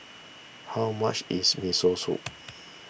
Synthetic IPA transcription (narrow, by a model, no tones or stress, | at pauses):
haʊma̰t͡ʃizmisosṵ